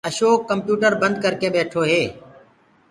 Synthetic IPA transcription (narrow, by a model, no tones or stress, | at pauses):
əʃoːkːəmpjuːʈəɾbə̃nd̪̚kəɾkeːɓeːʈʰoːɦeː